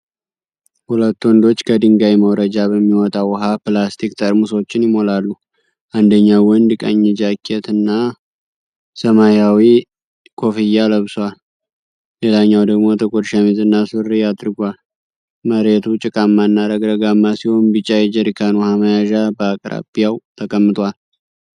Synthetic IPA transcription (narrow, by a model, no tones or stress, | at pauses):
hulət̪ːwɔnd̪o̞t͡ʃːkʰəd̪ɨŋɡajməwɾəd͡ʒaβəmːiwɔt̪ʼawɦaplast̪ʰikt̪ʰəɾmuso̞t͡ʃːɪnjɪmo̞lalːu | ʔand̪əɲːawɔnd̪kʼə̰ɲːɪd͡ʒakʰːet̪ɨnːa | səmajawi | kʰo̞fijaləβsal | le̞laɲːawd̪əɡmo̞t̪ʰəkʼod̪ʃamizʼɨnːasɨrːijad̪ɾɨɡʷal | məɾe̞t̪ʰut͡ʃʼɪkʼamːanːaɾəɡɾəɡamːasiho̞nbɨt͡ʃʼːajɛd͡ʒəɾikʰanuhaməjaʒabəakʼɾa̰bijawt̪ʰəkʼəmːɨt̪ʼwal